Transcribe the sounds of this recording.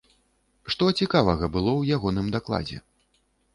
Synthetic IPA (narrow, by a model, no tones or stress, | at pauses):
ʂt̪ɔt͡sʲikavɐɣɐbɨlˠɔwjaɣɔnɨmd̪aklˠa̰d͡zʲɛ̰